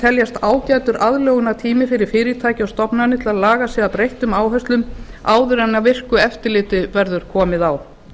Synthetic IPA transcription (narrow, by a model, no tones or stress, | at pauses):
t̪ʰɛljast̪aːwcaːjt̪ʏɾʔaðlɔːɣʏnat̪ʰiːmɪfɪɾɪɾ̥fɪːɾɪt̪ʰaːjcɪawst̪ɔpnanɪt̪ʰɪlaðlaːɣasɛːðapɾejht̪ʏmaːwɦœst̪lʏmaːwðʏɾanavɪr̥kʏɛft̪ɪlɪːt̪ɪvɛɾðʏɾ̥kʰɔːmɪðaw